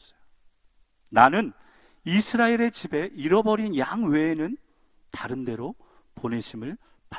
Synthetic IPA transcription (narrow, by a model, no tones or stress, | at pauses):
nanɯn | isʰɯɾaeɾe̞t͡ɕibe̞ʔiɾʌbʌɾinjaŋwe̞ːnɯn | taɾɯnde̞ɾo | pone̞ɕʰimɯɭ | pa